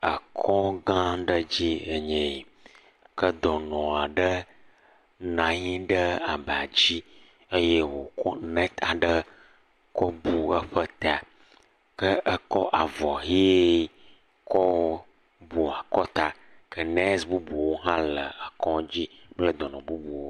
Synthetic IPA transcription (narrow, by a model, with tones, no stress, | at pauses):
ə˨kʰɔ˦ɡã˦ɖə˦d͡ʑi˦ə˨ɲɛ̃˨ | kə˦d̪ɔ˨nɔ̃˨a˨ɖə˦ | nã˨ɲĩ˦ɖə˦a˨ba˨d͡ʑi˦ | ə˦je˦wo˨kɔ˦nɛ̃˦t̪a˨ɖə˦ | kɔ˦bu˦ə˦ɸə˦t̪a˨ | kə˦ʔə˦kɔ˦ʔa˨vɔ˨ɦe˦ | kɔ˦ | bu˨a˨kɔ˦t̪a˦ | kə˦nɛ˦sbu˦bu˨wo˦ɦã˦lə˨a˨kɔ̃˦d͡ʑi˦plə˦d̪ɔ˨nɔ̃˨bu˦bu˨wo˦